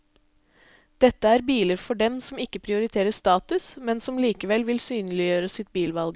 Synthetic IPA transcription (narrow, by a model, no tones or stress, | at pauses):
d̪̥ɛt̪ːəæɾbiːləɾfɔɖɛmsɔmɪkːəpʰɾɪʊɾɪt̪ʰeːɾəst̪ɑːt̪ʉsmɛnsɔmliːkəʋɛlʋɪlsyːnəlɪjøːɾəsɪt̪̚biːlʋɑlɡə